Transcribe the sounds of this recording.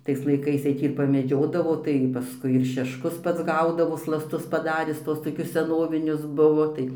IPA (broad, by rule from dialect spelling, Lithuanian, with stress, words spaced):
ˈtɐɪs lˠɐɪˈkɐɪs tɐɪ ˈtʲiː ɪr pɐmʲɛˈd͡ʒʲoːdɐʋoː tɐɪ pɐˈskʊɪ ɪr ʃʲɛʃˈkʊs ˈpɐts ˈɡɐʊdɐʋoː slˠɐsˈtʊs pɐˈdɑːrʲɪs ˈtuɔs toːˈkʲʊs sʲɛˈnoːʋʲɪnʲʊs ˈbʊʋoː tɐɪ